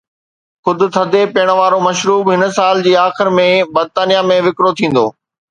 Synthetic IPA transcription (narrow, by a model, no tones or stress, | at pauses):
xʊd̪ʱʊ̆t̪ʰɐd̪ʱepeːɽ̃̆ʋaːɾomɐʃɾuːbɦɪnə̆saːld͡ʑiːaːxɪɾmẽbɐɾt̪aːnijamẽʋɪkɾot̪ʰĩːn̆d̪o̰ː